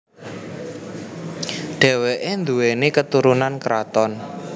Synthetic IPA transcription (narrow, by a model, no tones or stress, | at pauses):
ɖ̥ɛ̤weʔend̪uwenekət̪uɾunankɾat̪ɔn